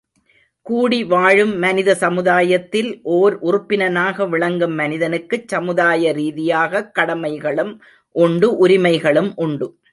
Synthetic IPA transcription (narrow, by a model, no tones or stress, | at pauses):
kuːɽiʋaːɻɯmːɐnɪðɐsɐmɯðaːjɐt̪ːɪlʔoːɾʔʊrʊpːɪnɐnaːɣɐʋɪɭɐŋɡɯmːɐnɪðɐnɯkːɯt͡ʃsɐmɯðaːjɐɾiːðɪjaːɣɐkːɐɽɐmɐɪɣɐɭɯm | ʔʊɳɖɯʔʊɾɪmɐɪɣɐɭɯmʔʊɳɖɯ